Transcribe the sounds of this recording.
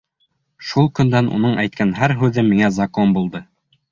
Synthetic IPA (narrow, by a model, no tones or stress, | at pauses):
ʃulˠkɵ̆nd̪ænṵnɤɴʔæjt̪̚kænɦæɾɦʉðɘmːiŋæzɐkonbulˠd̪ɤ